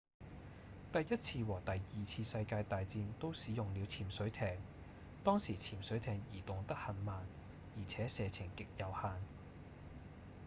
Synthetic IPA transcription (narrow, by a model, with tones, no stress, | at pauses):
t̪ɐ˨jːɐ˥t̚t͡sʰiː˧wɔː˨˩t̪ɐ˨jːiː˨t͡sʰiː˧sɐ˧jkaː˧jt̪aː˨jt͡siː˧nt̪o˥wsiː˨˥jʊ˨ŋli˨˧wt͡sʰiː˨˩msɵ˨˥ɥt̪ʰɛː˧˩ŋ | t̪ɔː˥ŋsiː˨˩t͡sʰiː˨˩msɵ˨˥ɥt̪ʰɛː˨ŋjiː˨˩t̪ʊ˨˩ŋt̪ɐ˥k̚hɐ˨nmaː˨n | jiː˨˩t͡sʰɛː˨˥sɛː˧t͡sʰɪ˨˩ŋkɪ˨k̚jɐ˨˧whaː˨˧n